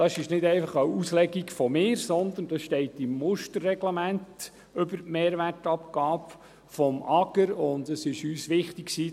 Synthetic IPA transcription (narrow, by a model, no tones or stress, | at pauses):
d̥ɑsɪʃnɪdɛɪfɑχəuslɛɡikfɔmɪːɾsɔnd̪ənd̥ɑsʃtɛɪtɪmːʊʃtəɾːɛɡlɛmænt | ʏbəɾmeːɾʋærtɑpɡɑːp | fɔmʔɑɡəɾʊnd̪əsɪʃyːsʋɪχtɪksiː